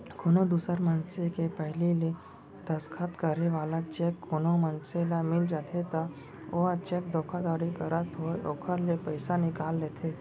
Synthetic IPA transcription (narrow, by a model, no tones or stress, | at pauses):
konod̪usəɾmənsekepəɦlile | d̪əskʰat̪kəɾeʋaːlat͡ʃekːonomənselamɪld͡ʒaːt̪ʰet̪a | oat͡ʃek̚d̪ʱokʰad̪aːɾikəɾət̪ɦojoːkʰəɾlepəjsanɪkaːlːet̪ʰe